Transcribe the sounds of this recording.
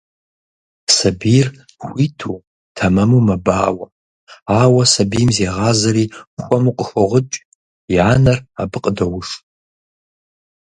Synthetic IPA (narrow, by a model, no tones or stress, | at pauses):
sɐbir | xʷitʰu | tʰɐmɐmumɐbaːwɐ | aːwɐsɐbijmzeːʁaːzɐɾiːxʷɐmuqʼəxʷɔʁət͡ʃʷʼ | jaːnɐrabɨqʼdɐwʊʂ